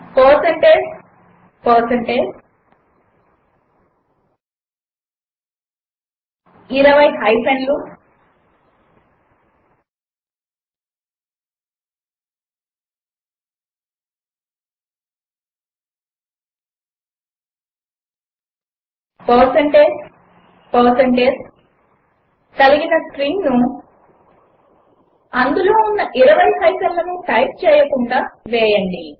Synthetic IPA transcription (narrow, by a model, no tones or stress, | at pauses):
pɔːsɐɳʈeː | pɔːsɐɳʈeː | iɾɐʋɐjɦɐjpeɳɖlu | pɐːɾsɐɳʈe | pɐːsɐɳʈeːd͡ʒ | k̪ɐliɡinɐsʈɾiŋnu | ɐnd̪ulo̞ːunːɐʔiɾɐʋɐjɦɐjsɐlːɐnuʈɐjp̚t͡ʃɛːjɐkuɳɖaːʋɛːjɐɳɖi